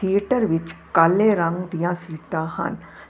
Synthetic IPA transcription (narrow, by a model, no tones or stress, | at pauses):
t̪ʰijeʈəɾʋɪt͡ʃkɐlːeɾɐ̃ŋɡd̪ijãsiːʈaːhɐ̰n